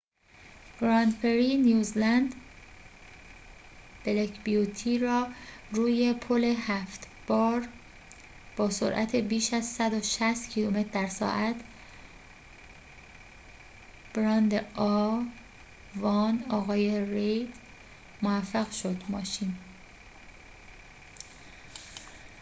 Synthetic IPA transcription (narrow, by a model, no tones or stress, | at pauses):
ɡ̥ɾɑnd̪peɾinijuːzlænd̪ | b̥elekʰbijut̪ʰiːɾɒːɾuːje̞pʰole̞hæft̪ | b̥ɒːɾ | b̥ɒːso̰ɾʔæ̰t̪ʰe̞biːʃæzsæd̪oʃæst̪cʰiːlume̞t̪ʰɾd̪æɾsɒ̰ːʔæt̪ʰ | b̥ɾɒːnd̪eɒː | vɒːnɒːɣɒːjeɾejd̪ | movæfːeɣʃo̞d̪mɒːʃiːn